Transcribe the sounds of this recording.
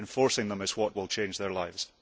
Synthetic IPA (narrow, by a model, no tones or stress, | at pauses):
ɱfɔɹsɪ̃ŋðə̃məz̥wɔʔwɪlˠt͡ʃʰẽnd͡ʒðə˞lˠaɪvz̥